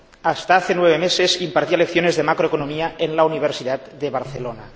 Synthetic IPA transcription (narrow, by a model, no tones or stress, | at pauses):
ast̪aaθenweβ̞emesesimpaɾt̪ialek̚θjonezðemakɾoekonomiaenlauniβ̞eɾsiðat̪̚d̪eβaɾθelona